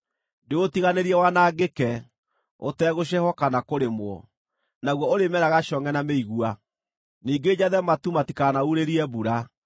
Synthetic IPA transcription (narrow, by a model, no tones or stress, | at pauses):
ndeotiɣaneɾiɛwanaːɡekɛ | o̰tɛɣoɕ̬ɛhɔkanakoɾemwɔ | naɣwɔoɾemɛɾaɣaʃɔŋɛnameiɣua | niːɡed͡ʑaðɛmatumatikanauɾeɾiɛbuɾa